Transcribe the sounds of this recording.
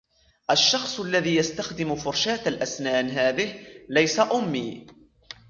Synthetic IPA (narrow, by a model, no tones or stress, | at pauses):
ʔaʃːɑxsˤalːaðiːjast̪axd̪ɪmfʊɾʃaːt̪alʔasnaːnɦaːðɪhlajsaʔʊmːiː